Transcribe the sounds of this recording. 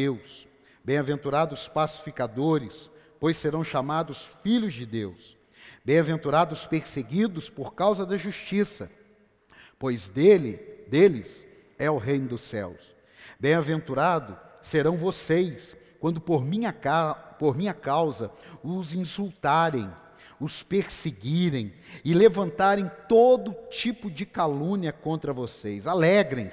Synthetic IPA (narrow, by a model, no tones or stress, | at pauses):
ews | bẽj̃avẽnt̪uɾad̪ʊspasi̥fikad̪oɾɪs | pojsːeɾɐ̃w̃ʃamad̪ʊsfiʎʊzd͡ʒɪd̪ews | bẽj̃avẽnt̪uɾad̪ʊspeɾseɡid̪ʊspoɾkawzɐd̪ɐʒuʃt͡ʃisɐ | pojzd̪elɪd̪elɪs | ɛʊɦejnʊd̪ʊsɛ̰ws | bẽj̃avẽnt̪uɾad̪ʊseɾɐ̃w̃vosejskwɐ̃nd̪ʊpoɾmĩɲɐapoɾmĩɲɐkawzɐʊzĩsult̪aɾẽj̃ | ʊspeɾseɡiɾẽj̃ɪlevɐ̃nt̪aɾẽj̃t̪od̪ʊt͡ʃipʊd͡ʒɪkalũniɐkõnt̪ɾɐvosejzalɛɡɾẽj̃